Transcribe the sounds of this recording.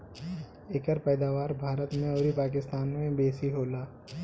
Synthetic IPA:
eːkəɾpɛːd̪aːʋaːɾbʱaːɾət̪mẽɔːɾipaːk̬ɪst̪aːnmẽbeːsiɦoːlaː

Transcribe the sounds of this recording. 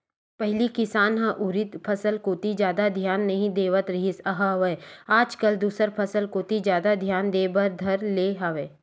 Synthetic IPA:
pɛɦlikɪsaːnɦãʔʊɾɪt̪pʰɐsəlkoːt̪id͡ʒjaːd̪ad̪ʱjaːnːɐɦĩd̪eːʋət̪ɾɐɦɪsɐɦaɦʋəaːd͡ʒkəld̪uːsəɾpʰɐsəlkoːt̪id͡ʒjaːd̪ad̪ʱjaːnd̪eːbəɾd̪ʱɐɾleːɦaʋeː

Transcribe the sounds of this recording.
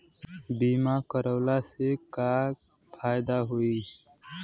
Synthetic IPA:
biːmakəɾəːlasekaː | pʰaːjd̪aɦoi

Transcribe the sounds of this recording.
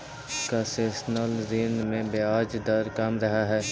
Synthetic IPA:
kaseːsnəlziːnmẽbeaːd͡ʒd̪ɐɾkɐmɾɐɦaɦɛː

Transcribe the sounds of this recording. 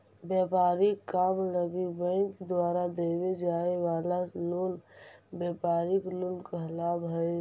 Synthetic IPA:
bjapaːɾikːamləɡibə̃ɪŋkd̪waːɾad̪ewed͡ʒaewalaloːnbjapaːɾikloːnkəɦlabɦəj

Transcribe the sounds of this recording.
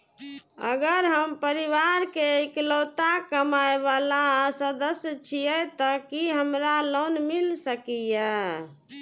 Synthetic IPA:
ə̰ɡəɾɦəmpəɾiʋaɾkeeklot̪akəmaebalasəd̪əsjt͡ʃʰijɛt̪ɔkiɦəmɾalonmilsəkijə

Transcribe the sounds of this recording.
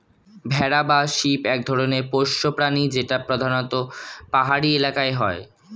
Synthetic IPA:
bʱɛɾabaʃipɛk̚d̪ʱɔɾoneɾpoʃːopɾanid͡ʑeʈapɾod̪ʱanot̪opaɦaɾielakaeɦɔe

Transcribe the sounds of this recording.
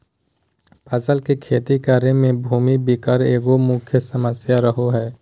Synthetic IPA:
paːsəlkekʰeːt̪ikaːɾemẽbʱuːmibikəɾeːɡomʊkʰjəsəməsjaɾəɦoɦɛː

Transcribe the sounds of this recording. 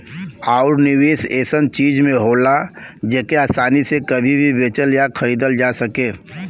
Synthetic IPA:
aːʊɾnɪweːseːsənt͡ʃiːd͡ʒmẽɦoːlad͡ʒeːkeaːsaːnisekɐbʱibʱibeːt͡ʃəljakʰɐɾiːd̪əld͡ʒaːsɐkẽː

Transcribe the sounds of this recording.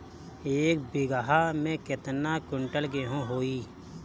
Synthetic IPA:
eːk̚bɪɡaɦamẽkɪt̪nakʊɳʈəlɡeɦõɦoːiː

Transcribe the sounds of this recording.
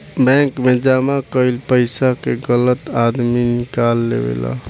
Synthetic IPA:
bɛ̃ŋkmed͡ʒaːmakəɪlpəɪsakeɡələt̪aːd̪minɪkaːlːḛʋḛla̰

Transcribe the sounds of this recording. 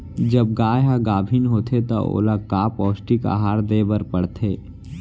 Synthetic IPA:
d͡ʒəb̚ɡaːjɦaɡaːbʱinɦoːt̪ʰet̪a̰o̰ːlakaːpɔːsʈika̰ɦaːɾd̪eːbəɾpəɽt̪ʰeː

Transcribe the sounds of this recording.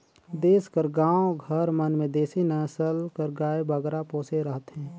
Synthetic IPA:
d̪eːskəɾɡãːõɡʱəɾmənmẽd̪eːsinɛsəlkəɾɡaːebəɡɾapõːseɾəɦət̪ɦɛ̃ː

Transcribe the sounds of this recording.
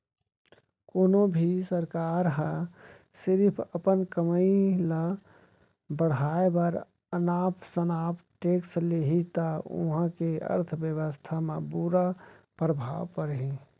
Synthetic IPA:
koːnobʱisəɾkaːɾɦə̃ | sɪɾpʰəpənkəməila | bəɽ̤aːebəɾ | ənaːpʰsənaːpʈeːksleɦit̪aʊ̰ɦə̃keə̰ɾt̪ʰʋjəʋəst̪ʰamẽbuɾapɾəbʱa̰ːʋpəɾɦĩ

